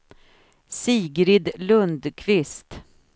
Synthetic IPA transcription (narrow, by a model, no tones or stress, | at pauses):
siːɡɾɪd̪lɵnd̪kʰvɪst̪